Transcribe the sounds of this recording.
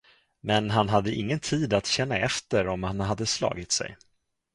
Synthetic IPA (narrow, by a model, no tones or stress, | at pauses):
mɛnɦanɦad̪ːəʔɪŋːənt̪ʰiːd̪at̪ɕɛnːaɛft̪əɾɔmhanɦad̪ːəslɑ̰ːɡɪt̪sɛ̰j